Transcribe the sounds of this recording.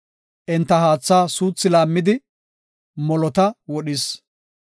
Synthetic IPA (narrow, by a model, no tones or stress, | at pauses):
ʔɛnt̪ːɐɦaːt͡sːaːsuːt͡sːɪlaːmːɪd̪ɪ | mɔlɔt̪ɐwɔɗɪs